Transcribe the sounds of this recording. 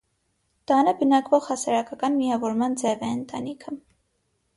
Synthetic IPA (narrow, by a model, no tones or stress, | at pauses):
t̪ɑnəbənɑkvɔʁhɑsɑɾɑkɑkɑnmijɑvɔɾmɑnd͡zɛvɛənt̪ɑnikʰə